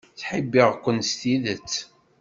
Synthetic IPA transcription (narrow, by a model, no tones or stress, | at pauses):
θħəbːiʁkʷənst̪iðət͡sː